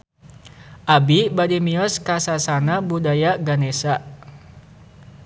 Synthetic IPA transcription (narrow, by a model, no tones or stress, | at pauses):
ʔabibadimiɔskasasanabudajaɡanesaʔ